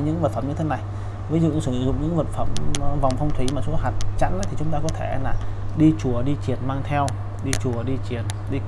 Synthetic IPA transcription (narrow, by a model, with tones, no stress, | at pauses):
ɲɨ̰˧˥ŋvə˨˩t̚fə˧˩mɲɨ˧e˨˦na˨˩j | viː˨˦zṵ˨˧˨sɨ˧˩˧zʊ̰˧˨ŋ͡mɲɨ̰˧˥ŋvəː˨˩t̚fə˧˩m˧va˨˩wŋ͡mfə˧wŋ͡mt̪ʰi˨˦maː˨˩su˧˦haː˨˩k̚t͡ɕa̰˧˥nʔə˨˦t̪ʰi˨˩t͡ɕʊ˨˦ŋ͡mt̪aː˧kɔ˨˦t̪ʰe˧˩˦laː˨˩ɗi˧t͡ɕu˨˩əɗi˧t͡ɕi˨˩ənmaː˧ŋt̪ʰɛ˧w | ɗi˧t͡ɕu˨˩əɗi˧t͡ɕi˨˩ən | ɗi˧